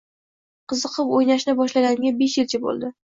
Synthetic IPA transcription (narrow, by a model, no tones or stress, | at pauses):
qʰɨzɨqʰɨpojnaʃnɪbɒʃlaɡʲanɪɡʲabe̞ʃjɪlt͡ʃʰabo̰lˠd̪ɪ